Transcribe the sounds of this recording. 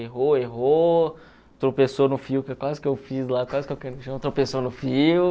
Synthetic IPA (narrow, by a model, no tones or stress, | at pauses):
eɦoeɦo | t̪ɾopesonʊfiwkɪɛkwazɪkɪewfizlakwazɪkewkɛnʃɐ̃w̃t̪ɾopesonʊfiw